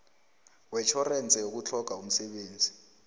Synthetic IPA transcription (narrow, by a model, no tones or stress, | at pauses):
wɛt͡ʃʰɔrɛnt͡sʼɛjok̬ut͡ɬʰɔk̬aum̩sɛɓeːnd͡zʱi̥